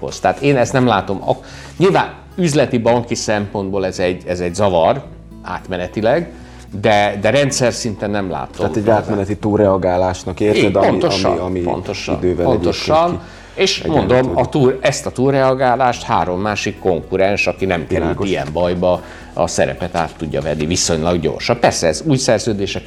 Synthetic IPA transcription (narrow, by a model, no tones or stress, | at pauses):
ho̰st̪aːt̪eːnɛst̪nɛmlaːt̪o̞mɒ̰ | ɲilvaːn | yzlɛt̪ibɒŋkisɛmpo̞nd̪bolɛzɛɟːɛzɛɟzɒvɒr | aːt̪mɛnɛt̪ilɛɡ | d̪ɛd̪ɛɾɛnt̪sɛrsint̪ɛnːɛmla̰ːt̪omɛɟaːt̪mɛnɛt̪it̪ulɾɛɒɡaːlaːʃnɒkeːrɛd̪pont̪oʃmipo̰nt̪oʃnd̪øːvɛonnoʃɒn | eːʃmond̪o̞mɒt̪uːɛst̪ɒt̪uːlrɛɒɡaːlaːʃt̪ha̰ːɾo̞mːaːʃikːo̞ŋkuɾɛnʃɒkinɛmkɛɾyijɛ̰mbɒjbɒ | ɒ̰sɛɾɛ̰pɛt̪a̰ːt̪ːuɟːɒ̰vɛnːiviso̞ɲlɒɡɟo̞̰ːrʃɒppɛrsɛɛzuːjsɛrzøːd̪eːʃɛk